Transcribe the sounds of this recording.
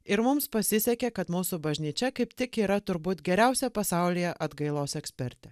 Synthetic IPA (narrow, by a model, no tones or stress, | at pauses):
ɪɾmʊmspɐsʲɪsʲɛkʲekɐt̪muːsʊbɐʒʲnʲiːt͡ʃʲɛkɐɪpt̪ʲɪkiːɾɐt̪ʊɾbuːt̪ɡʲɛɾʲæˑʊsʲɛpɐsɑˑʊlʲijɛʔɐd̪ɡɐɪlˠoːsɛksʲpʲɛɾʲt̪ʲɛ